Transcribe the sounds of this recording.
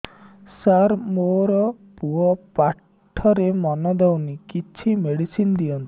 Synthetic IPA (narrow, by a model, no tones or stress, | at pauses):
saɾmoɾɔ | puɔpa | ʈʰɔɾemɔnɔd̪awnikit͡ʃʰimeɽisind̪iɔnt̪i̥